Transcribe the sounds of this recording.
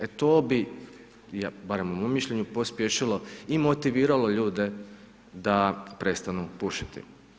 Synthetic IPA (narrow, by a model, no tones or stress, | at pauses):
et̪oːbi | jabaɾe̞mumomːiʃʎeɲupospjeʃilo̞imo̞t̪iʋiːɾalo̞ʎuːd̪e | d̪apɾe̞st̪anupuʃi̥t̪ḭ